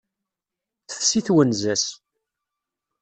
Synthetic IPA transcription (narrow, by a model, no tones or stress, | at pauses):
θθsiθwənzæs